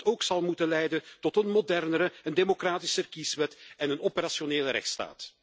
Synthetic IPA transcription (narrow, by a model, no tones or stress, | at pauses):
toːksɑlˠmutəlɛjdəntɔtənmodɛrnəɾəəndemokraːtisərkisʋɛtɛnənɔpəɾasjoneːləɾɛ̰xtsta̰ːt